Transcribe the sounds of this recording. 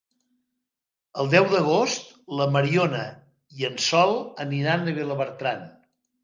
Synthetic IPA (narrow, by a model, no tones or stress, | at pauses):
əlˠd̪ɛwðəɣ̞ost̪ləməɾionə | iənsɔlˠəniɾanəβeləβəɾt̪ɾan